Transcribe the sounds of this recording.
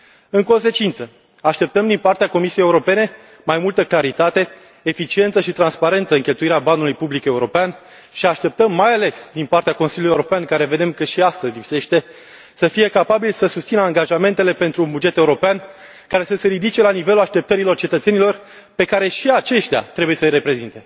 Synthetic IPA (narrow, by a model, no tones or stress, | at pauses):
ɨŋko̞nse̞t͡ʃint̪sə | aʃt̪e̞p̚t̪əmd̪inpart̪eako̞misijejeuɾo̞pe̞ne̞ | majmult̪əklaɾit̪at̪e̞ː | fit͡ʃie̞nt̪səʃit̪ɾanspaɾe̞nt̪səɨŋkʲe̞lt̪uiɾeabanulujpublike̞uɾo̞pean | ʃiaʃt̪e̞p̚t̪əmːajale̞sd̪inpart̪eakonsiljulujeuɾo̞peankaɾe̞ve̞d̪e̞mkəʃiast̪əzʲlipse̞ʃt̪e̞ | səfije̞kapabilsəsust̪sinəaŋɡaʒame̞nt̪e̞le̞pe̞nt̪ɾuːnbud͡ʒe̞t̪e̞uɾo̞pean | kaɾe̞səse̞ɾid̪it͡ʃe̞lanive̞lulaʃt̪e̞p̚t̪əɾilo̞rt͡ʃe̞t̪ət̪se̞nilo̞r | pe̞kaɾe̞ʃiat͡ʃe̞ʃt̪ea̰t̪ɾe̞buje̞səjɾe̞pɾe̞zint̪e̞